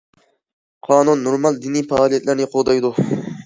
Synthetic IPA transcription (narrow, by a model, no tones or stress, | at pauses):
qʰɑːnunːoɾmɑlˠd̪inifɑːlijɛt̪ʰlɪɾnɪqʰolˠd̪ɑjd̪u